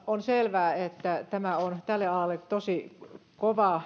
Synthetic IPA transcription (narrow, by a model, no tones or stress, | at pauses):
onselʋæːet̪ːæt̪æmæont̪ælːeɑlɑlːet̪osikoʋɑ